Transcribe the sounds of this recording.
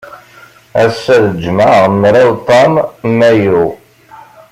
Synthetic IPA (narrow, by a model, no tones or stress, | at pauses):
æsːæðəd͡ʒmaʁmɾawt̪ˤɑmmːæju